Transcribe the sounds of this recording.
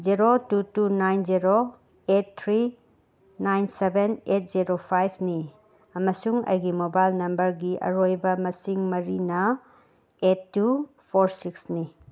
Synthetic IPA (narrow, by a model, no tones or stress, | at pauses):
ziɾotutunajnziɾo | et̚t̪ʰɾi | najnsebenet̚ziɾopʰajbʰni | ɐmɐsuŋɐ̰jɡimobajlnɐmbɐɾɡiʔɐ̰ɾojbɐmɐsiŋmɐɾinɐ | etːu | pʰoɾsiksni